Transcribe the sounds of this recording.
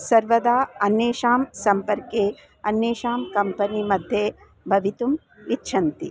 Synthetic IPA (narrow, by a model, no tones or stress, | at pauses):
sɐɾʋɐd̪aːɐneːʃaːmsɐmpɐɾkeː | ɐnːeːʃaːmkɐmpɐnimɐd̪ʱje | bʱɐʋit̪um | itːʃʰɐnt̪i